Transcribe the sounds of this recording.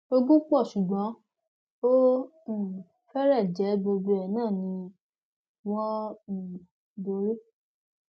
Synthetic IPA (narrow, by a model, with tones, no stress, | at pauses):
o˧ɡũ˦k͡pɔ˦˨ʃu˨ɡ͡bã˨˦ | o˦ | ũ˦˨fɛ˦ɾɛ˦˨d͡ʒɛ˨˦bo˧bo˧ɛ˨nãː˦˨nĩ˧ | wɔ̃˦˨ | bo˨˦ɾe˦